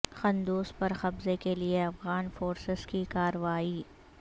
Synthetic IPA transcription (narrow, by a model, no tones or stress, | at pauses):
xɐ̃nd̪uːspɐɾxɐbzekelieɐfɣaːnfoːɾsɪz̥kikaːɾəʋaːiː